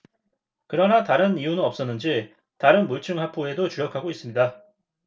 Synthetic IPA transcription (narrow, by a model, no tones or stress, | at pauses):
kɯɾʌnataɾɯnijunɯnʌp̚s͈ʌnːɯnd͡ʑi | taɾɯnmuɭt͡ɕʰɯŋɦapʰue̞dot͡ɕuɾjʌkʰaɡois͈ɯmɲida